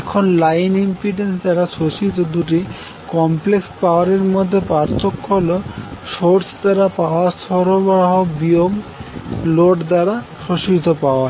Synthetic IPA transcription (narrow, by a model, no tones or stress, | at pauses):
ɛkʰonlajnimpiʈensd̪aɾaʃoʃit̪od̪uʈi | kɔmplekspaoaɾeɾmod̪ʱːepaɾt̪okʰːoloʃoɾsd̪aɾapaoast̪ʰɔɾobɾaɦobiom | loʈd̪aɾa | ʃoʃid̪ʱopaoa